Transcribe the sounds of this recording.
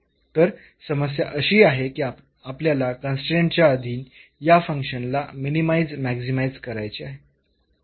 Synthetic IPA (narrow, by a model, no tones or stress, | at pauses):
t̪əɾ | səməs̬ja̰ʔəɕiːaɦekiːa | apljalakənsʈeɳʈt͡ɕjaəd̪ʱiːnjafə̃ŋkɕənlaminimaijd͡zmæɡsimajd͡zkəɾajt͡ɕiaɦe